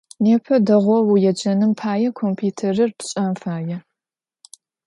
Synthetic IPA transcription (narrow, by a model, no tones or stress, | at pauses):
neːpʰɐdɐʁʷɔwujɛd͡ʒɐnɨmpʰaːjɛkʰompʰiːtʰerɐrpɕʼɐmfaːjɛ